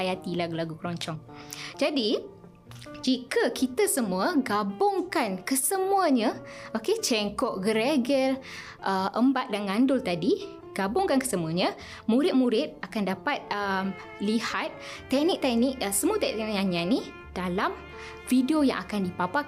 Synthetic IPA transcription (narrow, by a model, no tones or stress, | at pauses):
ajat̪ilaɡulaɡukəɾɔɲt͡ʃɔŋd͡ʒadi | d͡ʒikəkʰit̪asəmũəɡabʊŋkankəsəmuəɲa | oket͡ʃɛŋkɔʔɡəɾɛɡɛl | ʔəʔəmbat̪̚danŋandʊlt̪adi | ɡ̥abʊŋkankə̥səmuaɲə | mũɾɪt̪̚mũɾɪt̪̚akandapat̪̚əm | lihat̪̚ːɛk̚nɪk̚t̪ɛk̚nɪk̚nsəmuət̪ɛɛnʔɲaɲãni | d̥alam | fidiojã̰ŋʔakandipapa